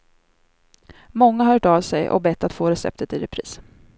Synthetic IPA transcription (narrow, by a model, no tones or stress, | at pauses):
mɔŋːaɦœːʈavsɛjʔɔ̰bɛt̪ːat̪foːɾɛsɛ̰p̚t̪ʰət̪ɪɾɛpʰɾḭːs